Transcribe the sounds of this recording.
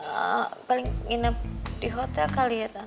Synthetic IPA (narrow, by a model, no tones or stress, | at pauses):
ə̰palɪŋːinəp̚diɦot̪ɛlkaliat̪a